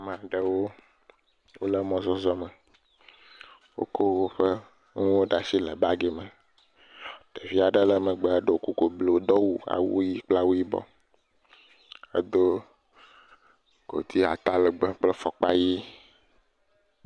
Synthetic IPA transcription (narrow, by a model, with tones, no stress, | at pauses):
mẽ˨a˨ɖə˨wo˦ | wo˦lə˦mɔ̃˦zɔ˦zɔ˦mə˨ | wo̰˦ko˦wo˦ɸə˦ | ŋũ˦wo˦ɖa˨si˦lə˨ba˦ɡe˨mə˨ | ɖ̥e˨vi˦a˨ɖə˦lə˦mə˨ɡ͡be˦e˦ɖo˦˨ku˦ko˨blo˦d̪ɔ˦wu˦a̰˨wṵ˦ji˦k͡pla˦wu˦ji˦bɔ̰˦ | ə̰˦d̪o˦ | ɡ̥o̰˨t̪ʰi˦a̰˨t̪a˦lə˨ɡ͡be˦k͡plə˦fɔ˨k͡pa˦ji˦